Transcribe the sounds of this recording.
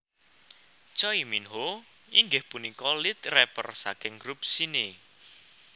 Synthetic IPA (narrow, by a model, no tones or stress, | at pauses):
t͡ʃɔiminɦo | iŋɡɪhpunikɔlit̪rɛpə̰rsakɪŋɡɾup̚sine